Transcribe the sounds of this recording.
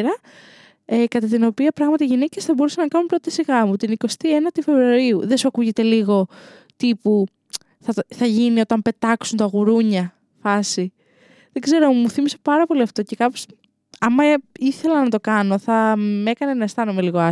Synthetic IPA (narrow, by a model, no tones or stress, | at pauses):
ɾɐ | ekɐt̪ɐt̪ino̞piɐpɾɐɣmɐt̪iʝinece̞sθɐbo̞ɾusɐnɐkɐnumpɾo̞t̪isiɣɐmut̪iniko̞st̪ienɐt̪ife̞vɾuɐɾiuðesuɐkuʝe̞t̪e̞liɣo̞t̪ipu | θɐθɐʝinio̞t̪ɐmpe̞t̪ɐksunt̪ɐɣuɾuɲɐ | fɐsi | ðe̞ɡze̞ɾo̞muθimise̞̥pɐɾɐpo̞liɐft̪o̞ce̞kɐpo̞̥s | ɐmɐiθe̞lɐnɐt̪o̞kɐno̞θɐme̞kɐnenɐest̪ɐnume̞liɣo̞ɐ